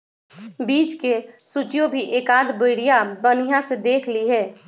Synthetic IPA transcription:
biːt͡ʃkesut͡ʃijõbʱiʔeːkaːd̪bʊɪɽijabənɪjãsed̪eːkʰliɦɛː

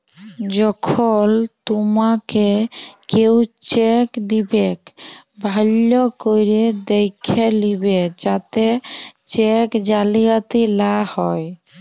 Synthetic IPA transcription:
d͡ʑɔkʰɔlt̪umakekewt͡ʃekd̪ibek | bʱalːokojɾed̪ejkʰːelibed͡ʒat̪et͡ʃekd͡ʒaliat̪ilahɔj

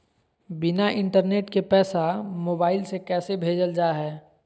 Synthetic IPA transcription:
bɪnaʔɪ̃ɳʈəɾneːʈkepɛːsamoːbaːɪlsekɛːsebʱeːd͡ʒəld͡ʒaːɦɛː

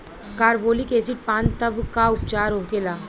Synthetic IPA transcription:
kaːɾboːlikeːsɪʈ̚pãːnt̪ɐbkaʊpt͡ʃaːɾɦoːkeːlaː

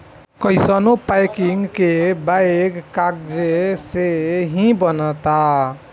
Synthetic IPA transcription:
kəjsənopajkiŋɡkebajɡkakd͡ʒeseɦĩbənət̪a

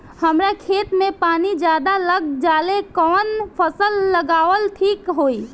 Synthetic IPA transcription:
həmɾakʰeːt̪mẽpaːnid͡ʒjaːd̪aləɡd͡ʒaːlekɔːnpʰəsəlːəɡaːʋəlʈʰiːkɦoːi

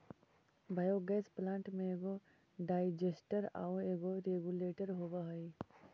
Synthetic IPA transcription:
bʱajoɡɛːsplãːɳʈmẽeːɡo | ɖaːid͡ʒesʈəɾa̰ːweːɡoɾeɡuleːʈəɾɦobaɦəi

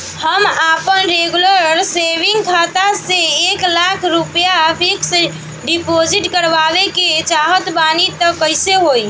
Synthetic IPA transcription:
həmapənɾeɡuləɾseʋiŋɡkʰat̪aseːklakʰɾupjapʰiks | ɖipod͡ʒiʈkəɾʋabeket͡ʃaɦət̪banit̪əkːəɪseɦoi

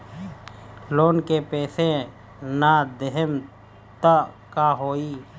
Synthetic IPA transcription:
loːnkepeːsẽ | nad̪ɪɦəm | t̪ə | kaːɦoːiː

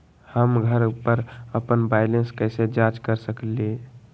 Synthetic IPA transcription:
həmɡʱəɾpəɾəpənbaɪlenskɛsed͡ʒad͡ʒkəɾsəkle

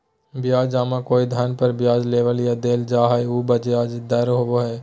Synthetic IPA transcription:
bɪjaːd͡ʒaːmakoːid̪ʱənpəɾbjaːd͡ʒleːʋəljad̪eːld͡ʒaːɦauːbɐd͡ʒeaːd͡ʒd̪ɐɾɦoboɦɛː

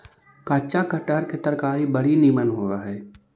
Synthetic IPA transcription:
kaːt͡ʃakəʈəɾket̪əɾkaːɾibɐɽiniːmənɦoːaɦɛː

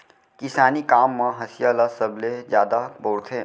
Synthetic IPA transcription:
kɪsaːnikaːmːãɦəsijalasəbled͡ʒjaːd̪aboːɽt̪ʰeː

